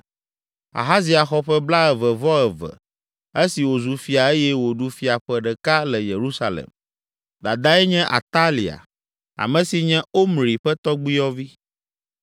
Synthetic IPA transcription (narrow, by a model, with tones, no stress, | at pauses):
a̰˨ɦa˦zi˨a˨xɔ˦ɸɛ˦bla˦ɛ˨vɛ˨vɔ˦ɛ˨vɛ̰˨ | e˦si˨wo˨zu˨fi˨a˨e˦jɛ˦wo˨ɖu˦fi˦a˨ɸɛ˦ɖɛ˨ka˦lɛ˨je˨ɾu˦sa˨lḛ˨m | d̪a˨d̪a˦ɛ˦ɲɛ̃˦ʔa̰˨t̪a˦li˨a̰˨ | a̰˨mɛ̃˨si˨ɲɛ̃˦o˦mɾi˨ɸɛ˦t̪ɔ˦ɡ͡bi˦jɔ˦vi˦